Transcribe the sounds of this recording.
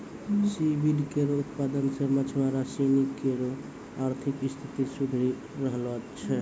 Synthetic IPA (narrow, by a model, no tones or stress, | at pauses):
sibilkeɾout̪pad̪ənsəmət͡ʃʰmaɾasinikeɾo | aɾt̪ʰikist̪ʰit̪isubʱɾi | ɾəɦlɔt͡ʃʰɛ